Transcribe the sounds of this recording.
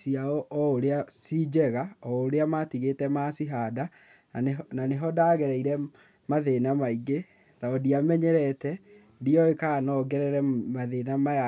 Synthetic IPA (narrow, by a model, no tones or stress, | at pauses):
siaɔʔɔoɾeasid͡ʑɛɣaɔoɾeamatiɣetɛmasiɦada | ananeɦɔdaːɣɛɾɛiɾɛ | maðenamaiɡe | taɔdiamɛɲɛɾɛtɛ | diɔekaːnɔɡɛɾɛɾɛmaðenama